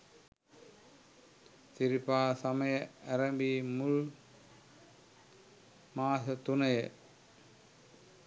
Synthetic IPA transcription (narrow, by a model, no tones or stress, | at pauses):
siɾipaːsaməjəæɾɐmbiːmul | maːsət̪unəjə